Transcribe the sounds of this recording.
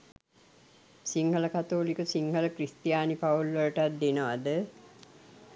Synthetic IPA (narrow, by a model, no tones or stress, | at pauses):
siŋɡələkat̪oːlikəsiŋɡələkrist̪ijaːnipaulʋələʈat̪̚d̪enəʋad̪ə